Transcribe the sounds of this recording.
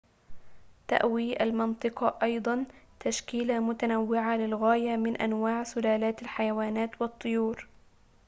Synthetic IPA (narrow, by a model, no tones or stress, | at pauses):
t̪a̰ʔwiʔalmɑnt̪ˤɨqɑʔɑjd̪ˤɑnt̪aʃkiːlamʊt̪anawːɪʕalɪlɣaːjamɪnʔa̰nwaːʕsʊlaːlaːt̪alħajawaːnaːt̪wɨt̪ˤːʊjuːɾ